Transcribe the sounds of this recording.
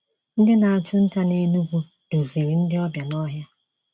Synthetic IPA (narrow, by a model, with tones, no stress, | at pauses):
n̩˦dɪ˦na˨a˨tʰʊ˦n̩˦ta˦ne˦nu˦ɡʷu˦ | do˨ze˨ɾi˨n̩˦dɪ˦ɔ˦bja˨nɔ˦ɦja˦